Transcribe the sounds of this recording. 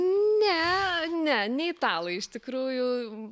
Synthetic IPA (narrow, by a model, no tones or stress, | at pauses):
nʲɛnʲɛnʲɛɪt̪ɑːlˠɐɪɪʃt̪ʲɪkɾuːjʊ